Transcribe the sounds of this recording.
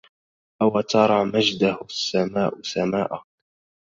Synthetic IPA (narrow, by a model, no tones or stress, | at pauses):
ʔawat̪ɑɾˤɑmad͡ʒd̪ahʊsːamaːʔʊsamaːʔa